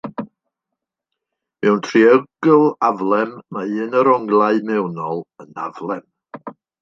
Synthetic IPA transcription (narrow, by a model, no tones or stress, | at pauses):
mɛwntʰriəɡlˠavlˠɛmːaɨnəɾɔŋlˠaɨmɛwnɔlˠəna̰vlˠɛm